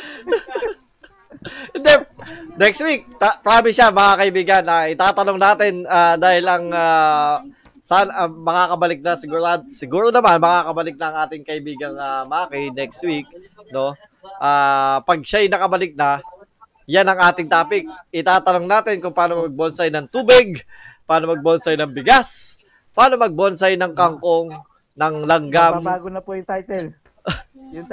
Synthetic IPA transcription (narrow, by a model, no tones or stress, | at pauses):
ʔɛnd̪ɛnɛkst̪̚wik̚apɐɾaːmɪsamɐŋakɐʔɪbiːɡɐnaʔɪt̪aːt̪ɐno̞ŋnaːt̪ɪnaːd̪aːhɪlɐŋa | saːnɐmɐŋakɐbɐlɪk̚nɐsɪɡuːɾad̪sɪɡuːɾonɐmanmɐŋakɐbɐlɪk̚nɐːŋʔaːt̪ɪŋkɐʔɪbiːɡɐŋamaːkɪnɛkst̪̚wik̚ | no̞ | ʔaːpɐɡ̚ʃajnɐkɐbɐlɪk̚nɐ | janɐŋʔaːt̪ɪŋt̪aːpɪk̚ɪt̪aːt̪ɐnoŋnaːt̪ɪnkʊŋpaːno̞mɐɡ̚bonsɐjnɐŋt̪uːbɪɡ̚paːno̞mɐɡ̚bonsɐjnɐŋbɪɡas | pɐaːno̞mɐɡ̚bonsɐjnɐŋkɐŋko̞ŋ | nɐŋlɐŋɡamːɡonɐpojʊŋt̪ajt̪ɛl